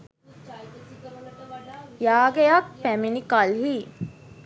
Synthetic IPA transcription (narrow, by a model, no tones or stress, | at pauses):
jaːɡejɐkpæminikalɦi